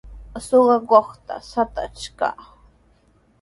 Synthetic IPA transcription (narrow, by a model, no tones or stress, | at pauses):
soɢɑkoχt̪a̰sat̪a̰t͡ʃka̰